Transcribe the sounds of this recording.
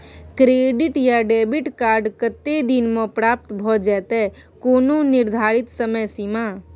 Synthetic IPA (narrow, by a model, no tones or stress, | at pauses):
kɾeːɖɪʈjaɖɛːbɪʈkaːɾɖkət̪ːed̪ɪnmõpɾaːp̚t̪bʱɔd͡ʒɛːt̪ɛ | koːnõnɪɾd̪ʱaːɾɪt̪səməjsimaː